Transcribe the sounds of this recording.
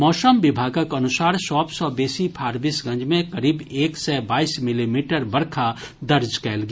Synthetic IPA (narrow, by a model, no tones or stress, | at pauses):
mɔːsəmʋɪbʱaːɡəkɐnʊsaːɾʃɔːpsɔbeːsipʰaːɾbiːsɡɐ̃nd͡ʒmẽkɐɾiːbeːksɛbaːiːsmɪlimiːʈəɾbɐɾkʰa | d̪ɐɾd͡ʒkɛːlɡa